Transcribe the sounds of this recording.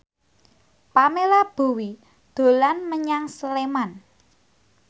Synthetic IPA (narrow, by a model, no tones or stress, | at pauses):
pamelab̥o̤wi | d̪̥o̤lanməɲaŋsəleman